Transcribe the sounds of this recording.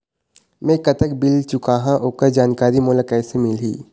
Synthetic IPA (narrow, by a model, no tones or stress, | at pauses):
mɛ̃kɐt̪əkbɪlt͡ʃʊkaɦãʔʊkəd͡ʒaːnkaːɾimʊːlakɛːsemɪlɦḭː